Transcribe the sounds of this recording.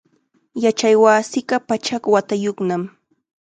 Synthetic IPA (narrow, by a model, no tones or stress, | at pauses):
jat͡ʃajwaːsɪɢɑpat͡ʃakwat̪ajoχnam